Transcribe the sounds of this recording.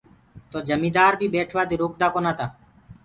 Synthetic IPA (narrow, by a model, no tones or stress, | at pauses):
t̪oːd͡ʒəmĩːd̪aːɾbʱiːbeːʈʰʋaːd̪iːɾoːk̚d̪aːkoːnaːt̪aː